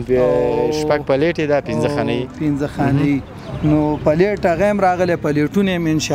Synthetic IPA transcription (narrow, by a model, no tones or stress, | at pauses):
ʃpaɡ̚paleʈed̪apinzəxanaipɪnzəxɑnəji | nopəleʈaɣajamɾɑɣəlepəleʈunaamɪnʃ